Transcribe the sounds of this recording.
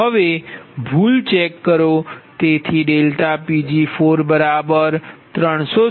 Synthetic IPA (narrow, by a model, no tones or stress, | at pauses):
əʋebʱult͡ʃekːəɾot̪et̪ʰiɖelʈapid͡ʒifʰoɾbəɾabəɾt̪ɾəɳ̃so